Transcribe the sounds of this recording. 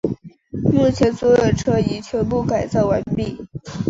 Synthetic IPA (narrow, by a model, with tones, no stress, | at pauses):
mu˥˩t͡ɕʰjɛ˧˥nswɔ˧˥jo˨˩ʊʈ͡ʂʰɤ˥i˨˩t͡ɕʰɥɛ˧˥np̬u˥˩ka˨˩ɪt͡sɑ˥˩ʊwa˧˥npi˥˩